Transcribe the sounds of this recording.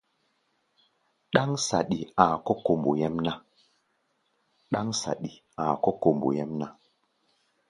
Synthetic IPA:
ɗa˦ŋsa˨ɗi˨a˨kɔ˦ko˨mbo˨jɛ˦mna˦ | ɗa˦ŋsa̰˨ɗi˨ | a˨kɔ˦ko˨mbo̰˨je˦mna˦

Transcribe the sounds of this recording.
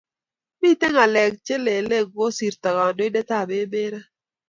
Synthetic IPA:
mi˦tɛ˦ŋa˨lɛ˨k̚t͡ʃe˦le˨le˦˨ɡwo˦si˨ɾt̪a˨ɡa˨do˦i˦de˦ta˦˨be˦be˦ɾa˦

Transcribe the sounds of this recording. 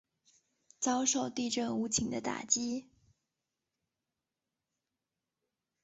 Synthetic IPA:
t͡sɑ˥ʊʂo˥˧ʊt̪i˥˧ʈ͡ʂɤ˥˩ŋu˧˥t͡ɕʰi˧˥ŋd̪ə˧t̪a̰˨˩t͡ɕi˥

